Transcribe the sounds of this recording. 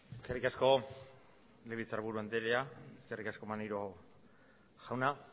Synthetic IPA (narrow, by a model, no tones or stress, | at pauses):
eskerikasko̞ | leβit͡saɾβuɾuand̪eɾeaeskerikasko̞manejɾo | ʝawna